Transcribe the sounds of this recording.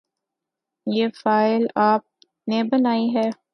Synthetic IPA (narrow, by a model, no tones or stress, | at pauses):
jeːfaːɪlaːp̚ | nebɐnaːiɦɛː